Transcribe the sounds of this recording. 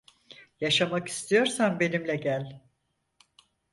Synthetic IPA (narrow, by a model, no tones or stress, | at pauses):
jaʃamaki̥st̪ʰijo̞ɾsanbe̞nimlʲɛɟælʲ